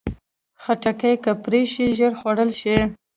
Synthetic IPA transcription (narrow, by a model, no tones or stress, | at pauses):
xaʈakajkapɾeʃiʒəɾxwaɽəlʃi